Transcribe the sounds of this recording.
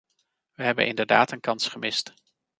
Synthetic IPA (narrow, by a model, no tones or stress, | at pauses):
ʋəɦɛbə̰nʔɪ̰ndəɹda̰ːtənkɑnsχəmɪst